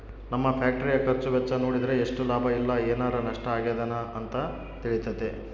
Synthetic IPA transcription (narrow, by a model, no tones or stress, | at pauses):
nɐmːɐpʰaːk̚ʈɐɾijɐkɐɾt͡ʃuʋɛt͡ʃːɐno̞ːɽid̪ɐɾe̞ːʂʈulaːbʱɐilːɐeːnaːɾɐnɐʂʈɐaːɡed̪ɐnɐɐnt̪ɐ | t̪iɭit̪ːɐd̪e